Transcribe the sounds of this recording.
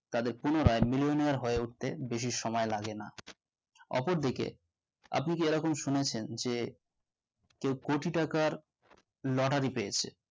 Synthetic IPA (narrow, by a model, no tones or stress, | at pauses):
t̪ad̪eɾpunoɾaemilioniaɾɦoeuʈ̚t̪ebeʃ̬iʃɔmɔelaɡena̰ | ɔ̰poɾd̪ikḛ | a̰pnik̬ieɾɔkomʃunet͡ɕʰend͡ʑe | kewkoʈiʈakaɾ | lɔʈaɾipeet͡ɕʰḛ